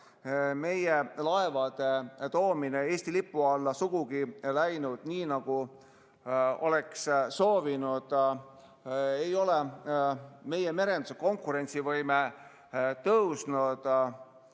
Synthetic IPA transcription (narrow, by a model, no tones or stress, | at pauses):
me̞jelɑevɑd̪̥e̞t̪o̞ːminee̞ːsʲt̪ilipːˑuɑlːɑsuɡ̥uɡ̥ilæjnud̪̥niːnɑɡ̥u | o̞̰le̞ksso̞ːvinud̪̥ | e̞jo̞le | me̞je̞me̞ɾe̞nd̪̥u̥seko̞ŋkːˑuɾe̞nʲt̪sivɤjme | t̪ɤwsnud̪̥